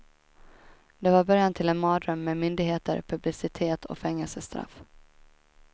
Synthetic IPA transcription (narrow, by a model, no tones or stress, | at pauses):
d̪ɛvaɾbœɾjant̪ʰɪlɛnmɑːd̪ɾœmːɛmʏnd̪ɪɡɦeːt̪ə̰ɾpʰɵblɪsɪt̪ʰeːt̪ʰɔ̰kfɛŋːɛlsəst̪ɾa̰f